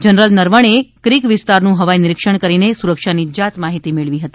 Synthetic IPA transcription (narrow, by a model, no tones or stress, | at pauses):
d͡ʒənɾəlnəɾʋəɳ̃ekɾikʋɪst̪aɾnũɦəʋajnɪɾɪkʃəɳkəɾinesuɾəkʃanid͡ʒat̪maɦit̪imeɭʋiɦət̪i